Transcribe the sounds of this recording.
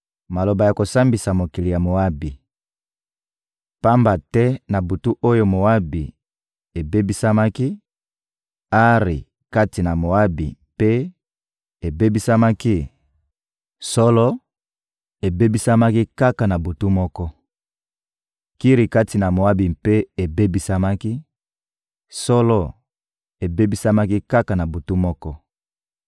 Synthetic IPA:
ma˨lo˨ba˨ja˨ko˨sa˦mbi˨sa˨mo˨ki˨li˨ja˨mo˨a˦bi˨ | pa˦mba˨tɛ˦na˨bu˨tu˦ʔo˦jo˦mo˨a˦bi˨ | e˨be˦bi˦sa˦ma˦ki˦ | a˦ʁi˨ | ka˦ti˨na˨mo˨a˦bḭ˨mpe˦ | e˨be˦bi˦sa˦ma˦ki˦ | sɔ˦lɔ˦ | e˨be˦bi˦sa˦ma˦ki˦ka˦ka˨na˨bo˨tu˦mɔ˦kɔ˦ | ki˦ʁi˨ka˦ti˨na˨mo˨a˦bi˨mpe˦e˨be˦bi˦sa˦ma˦ki˦ | sɔ˦lɔ˦ | e˨be˦bi˦sa˦ma˦ki˦ka˦ka˨na˨bo˨tu˦mɔ˦kɔ˦

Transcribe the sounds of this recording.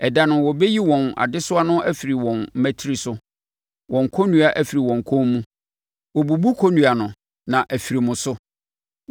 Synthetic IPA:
ɛ˨da˦nʊ̃˨wɔ˨be˦ji˦wɔ̃˨na̰˨dɪ˦sʊ˦a˦nʊ̃˦ʔæ˦fi˨ɾi˨wɔ̃˨n̩˦mæ̃˦tʰi˦ɾi˨sʊ˦ | wʔɔ̃˨ŋ˨kʰɔ˦nũ˦a˨ʔæ˨fi˨ɾi˨wɔ̃˨ŋ˨kʰɔ̃˦mmũ˦ | wɔ˨bu˨bu˦kʰo˦nũ˨a˨nʊ̃˨ | nã˨ʔæ˨fi˨ɾi˨mʊ̃˨sʊ˦

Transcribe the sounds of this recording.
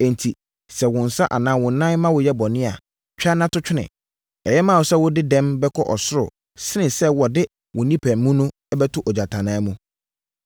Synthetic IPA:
ɛ̃˨n˨tʰi˨ | sɛ˨wʊ̃˨n̩˨sa˦ʔa˨nãː˦wʊ̃˨˦nːã˦nmã˦wʊ˨jɛ˦bɔ˨nɪ̃˦a˨ | t͡ɕᶣa˦nã˦tʊ˦t͡ɕᶣɪ˦nɪ̰̃˨ | ɛ˨jɛ˦mã˦˨wʊ˨sɛ˦wʊ˦dɪ˦dɛ̃˦mbɛ˦kʰɔ˦ʔɔ̰˨sʊ˦ɾʊ̰˨ | sɪ˦nɪ̃˨sɛ˦wɔ˨dɪ˦ | wʊ̃˨nĩ˦pʰæ̃˨m˦mũ˦nʊ̃˦ | ɛ˦bɛ˦tʰʊ˦ʔɔ˨d͡ʑa˨tʰã˨nã˨˦mũ˦

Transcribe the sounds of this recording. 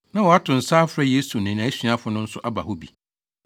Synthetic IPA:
nã˦wɔ˨a˦tʰʊ̃˨n̩˨saː˦fɾa˦je˦su˨nɪ̃˨nã˨˦ɕɥã˦fʊ˨nʊ̃˦n̩˦sʊ˦ʔa˦ba̰˨hʊ˦bi˨

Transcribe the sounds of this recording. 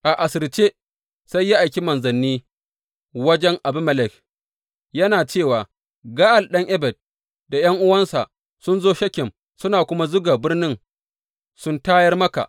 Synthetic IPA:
ʔa˨ʔa˨sɪ˨rt͡ʃeː˦ | sa˦jːa˦ʔa˨jkʲi˦mɐ˨nzɐ˨nːiː˦ | wɐ˦d͡ʒɛ˦ŋʔa˨bʊ˦mɐ˦˨lɛ˨k | jɐ˦naː˨t͡ʃeː˦˨waː˨ | ɡaː˦ʔa˨lɗɐ˦ŋʔɛ˦bɛ˨d̚ | da˨jɐ˦ŋʔʊ˦wɐ˦nsa̰˨ʔ | sʊ˦nzoː˦ʃɐ˦kʲɪ˨m | sʊ˦naː˨kʷʊ˦ma˦zʊ˦ɡaː˨bɪ˦rnɪ˦ŋ | sʊ˦ntaː˦jɐ˦rmɐ˦ka̰˨ʔ

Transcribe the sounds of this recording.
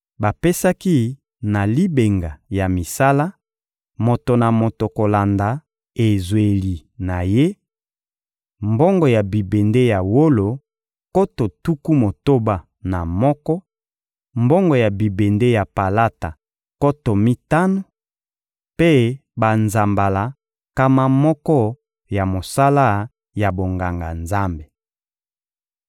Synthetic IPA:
ba˨pe˦sa˦ki˦ | na˨li˦be˨ŋɡa˨ja˨mi˨sa˦la˦ | mo˨to˨na˨mo˨to˨ko˨la˨nda˨ | e˨zwe˨li˨na˨je˦ | mbo˦ŋɡɔ˨ja˨bi˨be˨nde˦ja˨wo˦lo˨ | ko˦to˨tu˦ku˦mo˨to˦ba˨ | na˨mɔ˦kɔ˦ | mbɔ˦ŋɡɔ˨ja˨bi˨be˨nde˦ja˨pa˨la˦ta˨ | ko˦to˨mi˦ta˦no˨ | pe˦ba˨nza˨mba˨la˨ | ka˦ma˦mɔ˦kɔ˦ | ja˨mo˨sa˦la˦ | ja˨bo˨ŋɡa˨ŋɡa̰˨nza˦mbe˨

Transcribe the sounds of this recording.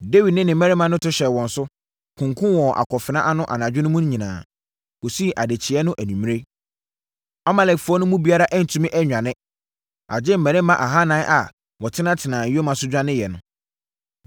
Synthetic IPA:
de˦wi˨dnɪ̃˦nɪ̃˨mɛ̃˦ɾɪ˦mã˨nʊ̃˦tʊ˦ɕɛ˨wɔ̃˨n̩˨sʊ˦ | kʰʊ̃˨ŋkʰʊ̃˦wɔ˨ʔa̰˨kʰɔ˨fɪ˨nã̰˦ʔa˦nʊ̃˦ʔa̰˨nã˨d͡ʑᶣɪ˦nʊ̃˦mũ˦ɲĩ˨nã̰ː˨ | wo˨si˦˨ʔa˨de˨t͡ɕʰɪ˨ɛ˦nʊ̃˦ʔæ˨nũ˨mĩ˦e˦ | ɔ˦ma˨lɛ˨kfʊ˨˦ɔ˦nʊ̃˦mũ˦bi˦a˦ɾa˦ʔæ˦n̩˨tʰũ˦mɪ̃˦ʔɛ˦ɲᶣã˨nɪ̃˦ | a̰˨d͡ʑɪ˦m̩˨mɛ̃˨ɾɪ̃˦mã˨ʔa˨ɦa˦nãː˨˦ʔa˨ | wɔ˨tʰɪ˦nã˦tʰɪ˨nãː˨jo˦mã˨sʊ˦d͡ʑᶣa˦nɪ̃˦jɛ˨nʊ̃˨

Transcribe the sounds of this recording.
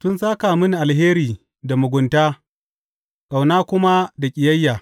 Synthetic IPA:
tʊ˦nsaː˦kaː˨mʊ˦n˨ʔa˨lɦeː˦ɾiː˨ | da˨mʊ˨ɡʷʊ˨ntaː˦ | sʼa˨wnaː˦kʷʊ˦ma˦da˨kʲʼɪ˨jɐ˦jːaː˨

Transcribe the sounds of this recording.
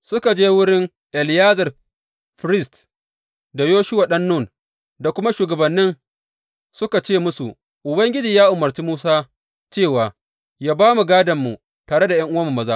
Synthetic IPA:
sʊ˦ka˨d͡ʒeː˦wʊ˦ɽɪ˦ŋ | ʔɛ˨ljaː˦zɐ˨r | ɸɾɪ˦st | da˨joː˦ʃʊ˦waː˨ɗɐ˦nːʊ˦˨n | da˨kʷʊ˦ma˦ʃuː˨ɡɐ˨bɐ˨nːɪ˦n | sʊ˦ka˨t͡ʃeː˦˨mʊ˦sṵ˨ʔ | ʔʊ˨bɐ˦ŋɡʲɪ˦d͡ʒiː˨jaː˦ʔʊ˨mːɐ˨rt͡ʃiː˦muː˦saː˦ | t͡ʃeː˦˨waː˨ | jaː˦baː˦mu˨ɡaː˦dɐ˨mːu˨ | taː˨ɽe˦da˨jɐ˦ŋʔʊ˦wɐ˦mːu˨mːɐ˦zaː˦

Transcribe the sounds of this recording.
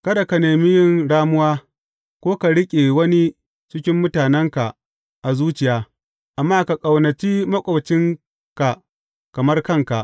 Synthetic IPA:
kɐ˦da˨ka˨neː˨mi˦jɪ˦nɽaː˦mʊ˦waː˦ | kʷoː˦ka˨ɽɪ˦kʲʼe˨wɐ˦ni˦ | t͡ʃɪ˦kʲɪ˦mːʊ˦taː˨nɛ˦ŋka˨ʔ | ʔa˨zuː˦t͡ʃɪ˨jaː˦ | ʔa˨mːaː˦ka˨kʼɐ˨wnɐ˨t͡ʃiː˦mɐ˦kʷʼɐ˨wt͡ʃɪ˦ŋ | ka˨ | kɐ˨mɐ˦rkɐ˦ŋka˨ʔ

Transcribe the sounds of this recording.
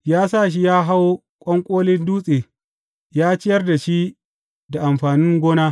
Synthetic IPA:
jaː˦s̬a˦˨ʃ̬i˦jaː˦ɦa˦w | kʷʼɔ˦ŋkʷʼoː˦lɪ˦nduː˦sʼeː˨ | jaː˦t͡ʃɪ˦jɐ˦rda˨ʃi˦ | da˨ʔa˨mɸaː˨nɪ˦ŋɡʷoː˦naː˦

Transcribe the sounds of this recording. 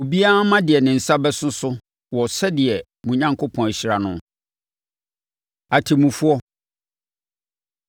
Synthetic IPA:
o˨bi˦a˦mã˦dɪ˨ɛ˨nɪ̃˨n̩˨sa˦bɛ˦sʊ̃˦sʊ˦ | wɔ˨sɛ˦dɪ˨ɛ˨ | mũ˨ɲã˦ŋkʰo˦pʰɔ̃˨n˨ɕi˨ɾa˨nʊ̃˦ | a˨tʰɪ˨mũ˨fu˦ɔ˦

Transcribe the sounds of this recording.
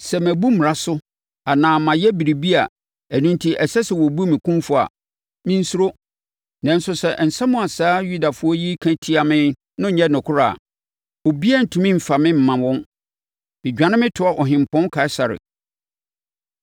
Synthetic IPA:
sɛ˨mæ˨bu˦m˨ɾa˦sʊ˦ | a˨nãː˨mã˨jɛ˦bi˨ɾi˨bi˦a̰˨ | æ˨nũ˦n˦tʰi˦ʔɛ˨sɛ˦sɛ˨wɔ˨bu˦mĩ˨kʰũ˦mfʊ˨a̰˨ | mɪ̃˦n̩˦su˦ɾo˦ | nã˨n̩˦sʊ˨sɛ˨n̩˨sɛ˦mʊ̃˨a˨saː˦ju˦da˨fʊ˦ɔ˦ji˦kʰæ̃˦tʰi˦a˨mɪ̃˦ | nʊ̃˦ɲɛ˦nʊ̃˨kʰʊ˦ɾa˨ | o˨bi˦ɛ˦n̩˨tʰũ˨mĩ˦m̩˨fa˨mɪ̃˦m̩˨mã˨wɔ̃˦n | mɪ̃˨d͡ʑᶣã˨˦nɪ̃˦mɪ̃˦tʰʊ˨˦a˨ʔɔ˨ɦɪ̃˨m̩˨pʰɔ̃˦n˦kʰa˨ɪ˦sa˨ɾɪ̰˨

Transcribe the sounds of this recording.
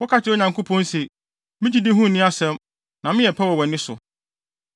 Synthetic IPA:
wɔ˦kʰa˦t͡ɕʰɪ˦o˦ɲã˨ŋkʰo˦pʰɔ̃˦n˦se˨ | mɪ̃˦d͡ʑi˦dɪ˦ɦũ˦˨nɪ̃˦a˦sɛ̃˦m | nã˨mɪ̃˦jɛ˨pʰɛ˦wɔ˨wɛ˨nɪ̃˦sʊ̰˨

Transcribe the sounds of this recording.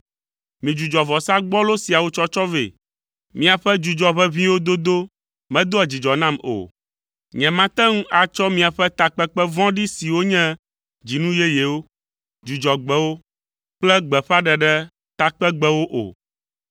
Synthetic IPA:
mĩ˨d͡ʒu˨d͡ʒɔ˨vɔ˨sa˦ɡ͡bɔ˦lo˦si˨a˨wo˦t͡ʃɔ˦t͡ʃɔ˦vḛ˨ | mĩ˦a˨ɸɛ˦d͡ʒu˨d͡ʒɔ˨βɛ˦βĩ˦wo˦d̪o˦d̪o˦ | mɛ̃˨d̪o˦ɛ˨d͡ʑi˨d͡ʒɔ˨nã˦mo̰˨ | ɲɛ̃˨mã˦t̪ɛ˦ŋũ˦ʔa˨t͡ʃɔ˦mĩ˦a˨ɸɛ˦t̪a˦k͡pɛ˦k͡pɛ˦vɔ̃˦ɖi˦si˨wo˦ɲɛ̃˦ | d͡ʑi˨nũ˦jɛ˦je˨wo˦ | d͡ʒu˨d͡ʒɔ˨ɡ͡bɛ˨wo˦ | k͡plɛ˦ɡ͡bɛ˨ɸa˦ɖɛ˨ɖɛ˦ | t̪a˦k͡pɛ˦ɡ͡bɛ˦wo˦ʔo̰˨

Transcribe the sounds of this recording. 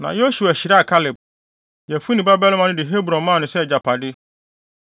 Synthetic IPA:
nã̰˨jo˦su˨æ˨ɕi˨ɾa˦a˨kʰa˦lɪ˨b̚ | jɛ˨fu˦nĩ˨ba˦bɛ˦lɪ˦mã˨nʊ̃˦dɪ˨ɦe˦bɾɔ̃˨nmã˦˨nʊ̃˨sɛ˦˨d͡ʑa˨pʰa˨dɪ˦

